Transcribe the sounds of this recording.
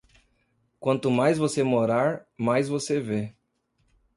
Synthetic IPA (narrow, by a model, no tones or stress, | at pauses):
kwɐ̃nt̪ʊmajzvosemoɾaɾmajzvoseve